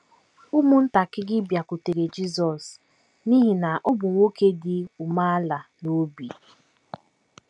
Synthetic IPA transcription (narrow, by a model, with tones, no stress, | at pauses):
u˦mʊ˦n̩˦ta˨kɪ˦ɡɪ˦bja˨ku˨te˨ɾe˨d͡ʒi˦zɔ˨s | ni˦ɦi˨na˨ʔɔ˦bʊ˨ŋʷo˦ke˦dɪ˦ʊ˨ma˦a˦la˨no˦bi˨